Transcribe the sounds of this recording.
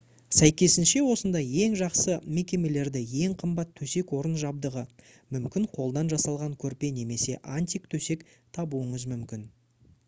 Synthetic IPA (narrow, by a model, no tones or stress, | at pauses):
sæjkʲe̞sɪnʃe̞wo̞sənd̪ɑje̞ŋʒɑqsəme̞kʲe̞me̞le̞ɾd̪ɪje̞ŋqʰəmbɑt̪ʰːɵse̞kwo̞ɾənʒɑb̚d̪əʁə | mʏmkʲɪɴqʰo̞lˠd̪ɑnʒɑsɑlˠʁɑŋkʲʰɵɾpe̞ne̞me̞se̞ʔant̪ʲijkt̪ʰɵse̞k | t̪ʰɑbuəɴəzmʏmkʲɪn